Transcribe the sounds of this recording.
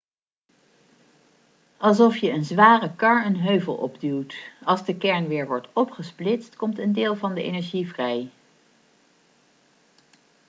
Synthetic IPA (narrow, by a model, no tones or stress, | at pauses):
ʔɑlˠsɔfjəənzʋaːrəkɑɹənɦøɥvə̰lˠʔɔ̰bdywtɑlˠzdəkɛɹnʋɪːɹʋɔɹtɔpχəsplɪtstkɔmtəndɪːlˠvɑndəḛnɛɹʒivrɛj